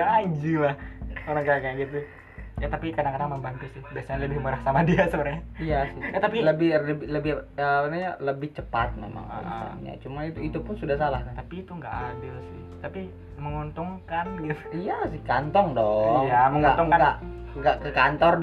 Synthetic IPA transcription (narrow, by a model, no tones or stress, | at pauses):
aʔːd͡ʒulahoɾaŋkaakajaɡit̪u | jat̪apikadaŋkadaŋməmbant̪isɪhbiasaɲanləbɪhmuɾahsamadiasəbəɾɲaijasɪhat̪apiləbɪləbɪləbɪhəpənaɲaləbɪht͡ʃəpat̪̚mḛma̰ŋa̰a̰ɲa̰t͡ʃumanit̪uit̪upʊnsudahsalahkat̪apiːt̪uŋɡaʔadɪlsɪht̪api | məŋunt̪ʊŋkambɪrijasɪhkant̪ɔŋdɔjaməŋɡat̪ʊŋaɡaŋɡaʔkəkant̪ɔrd